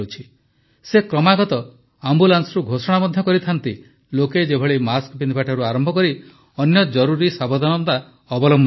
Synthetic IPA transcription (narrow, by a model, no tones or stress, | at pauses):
ut͡ʃʰi | sekɾɔmaɡɔt̪ɔ | ambulansɔɾuɡʱosɔɽ̃abɔd̪ʱjɔkɔɾit̪ʰant̪i | loked͡ʒebʱɔɭimaskbind̪ʱibaʈʰaɾuaɾɔmbʱɔkɔɾi | ɔnjɔd͡ʒɔɾuɾisabɔd̪ʱanɔnt̪a | ɔbɔlɔmb